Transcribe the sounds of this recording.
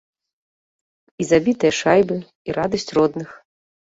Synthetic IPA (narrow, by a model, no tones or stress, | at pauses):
izabʲit̪ɐjɐʂajbɨ | iɾad̪ɐsʲt͡sʲrɔd̪nɨx